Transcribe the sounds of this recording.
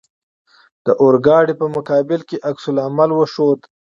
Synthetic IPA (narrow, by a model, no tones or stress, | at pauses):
d̪̥əʔoɾɡɑɽipəmʊkɑːbɪlkeʔaksʊlamalwəʃod̪